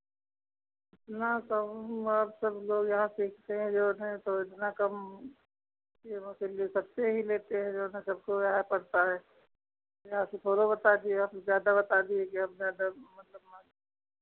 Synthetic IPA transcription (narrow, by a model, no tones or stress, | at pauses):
ɪt̪nakɐmɐbsɐbloːɡjɐɦãsiːkʰt̪eɦɛ̃d͡ʒoːnɦẽt̪oɪt̪nakɐm | keoselesɐb̚t̪eɦileːt̪eɦɛ̃d͡ʒoːnɦẽsɐb̚koaːepɐɽt̪aɦɛː | jɐɦãset̪ʰoːɾobɐt̪ad̪ieapzjaːd̪abɐt̪aːd̪iekiɐbzjaːd̪amɐt̪ləb̚mã